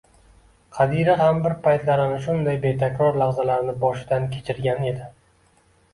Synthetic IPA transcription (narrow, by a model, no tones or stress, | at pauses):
qʰɑd̪iɾɪɦambɪɾpʰajt̪laɾɪnɪʃʊnd̪ajbe̞t̪ʰakʲɾɒɾlaʁzalaɾɪnɪbɒʃɪd̪ankʲʰe̥t͡ʃʰɪɾɡʲane̞d̪ɪ